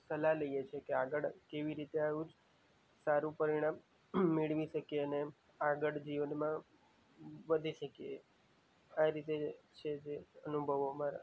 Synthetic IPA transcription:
səlaləijet͡ʃʰekeaɡəɽkeʋiɾit̪eaʋũd͡ʒ | saɾũpəɾiɽ̃amː | eɭʋiʃəkeəne | aɡəɽd͡ʒiʋənmã | ʋəd̪ʱiʃəkije | aɾit̪et͡ʃʰed͡ʒeənubʱəʋomaɾa̰

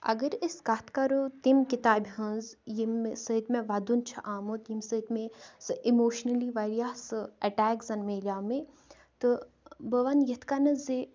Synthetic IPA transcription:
ɐ̰ɡəɾiskat̪ʰkaɾot̪imkit̪aːbʲiɦənzjimsət̪mẽʋad̪unt͡ʃʰɐʔaːmot̪jimsət̪mẽsɨʔimoːʃnɐliʋaɾijaːsɨɐʈaːkzɐnmeːlʲaːmẽ | t̪ɨ | bəʋanjɐt̪ʰkanɐze

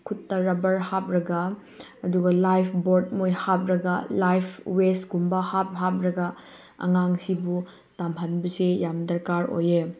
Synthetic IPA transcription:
kʰutːɐɾɐbɐɾhap̚ɾɐɡɐ | ɐduɡɐlajpʰboɾd̚mojhap̚ɾɐɡɐlajpʰwestɡumbɐhap̚ɦap̚ɾɐɡɐ | ɐ̰ŋaŋsibu | tamɦɐnbɐsejamdɐɾkaɾo̰je

